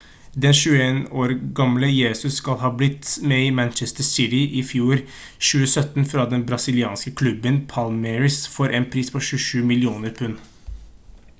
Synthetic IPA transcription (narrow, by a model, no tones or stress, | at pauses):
d̪ɛnʃʉːəeːnoːɾɡɑmləjeːsʉsːkɑlɦɑːblɪt̪ːmɛɪmænt͡ʃɛst̪əsɪt̪ɪʔɪfjuːɾ | ʃʉːəsœt̪n̩fɾɑd̪ɛnbɾɑsɪlɪɑ̰ːnskəkʰlʉbənpʰɑlmɛɹɪsfɔːɾʔeːnpʰɾiːspʰɔʃʉːəʃʉːmɪlɪuːnəɾpʰʉn